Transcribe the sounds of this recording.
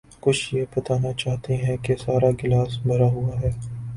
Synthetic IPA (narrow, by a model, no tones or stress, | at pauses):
kʊt͡ʃʰjepɐt̪aːnat͡ʃaːɦt̪eɦɛ̃kesaːɾaɡɪlaːsbʱɐɾaɦʊaɦɛː